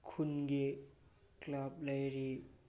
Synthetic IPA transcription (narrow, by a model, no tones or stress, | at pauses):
kʰunɡi | klap̚lajɾi